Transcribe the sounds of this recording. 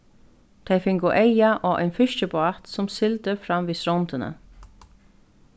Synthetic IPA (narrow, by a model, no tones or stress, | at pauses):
t̪ʰejfɪŋkʊʔejaʔɔːʔa̰jnfɪʃt͡ʃəbat̪sʊmsɪlt̪əfɾamːʋiːsɾɔnt̪ɪnə̰